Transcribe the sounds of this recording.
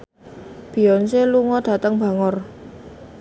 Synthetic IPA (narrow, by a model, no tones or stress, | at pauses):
b̥i̤jɔnseluŋɔɖ̪̥a̤t̪əŋba̤ŋɔr